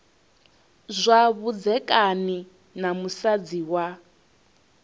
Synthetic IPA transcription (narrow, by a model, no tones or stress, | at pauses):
zʷaβud͡zɛkʼani | namusad͡ziwa